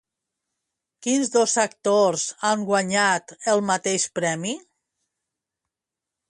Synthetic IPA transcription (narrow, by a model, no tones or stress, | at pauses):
kinzðozak̚t̪oɾzaŋɡwaɲat̪əlˠmat̪eʃpɾɛmi